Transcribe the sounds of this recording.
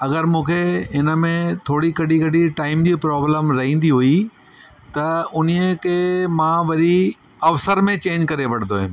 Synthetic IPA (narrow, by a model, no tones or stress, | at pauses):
ɐɡəɾmũːkʰeɦɪnə̆mẽt̪ʰoːɽikɐɖʱikɐɖiʈaːɪmd͡ʑiːpɾɔːbləmɾɐɦĩːn̆d̪iɦui | t̪ɐʊniəkʰeːmãʋɐɾi | ɐʋsəɾmẽt͡ɕẽːɲd͡ʑkɐɾeʋɐɽ̤nd̪oːɦɪ̰̃m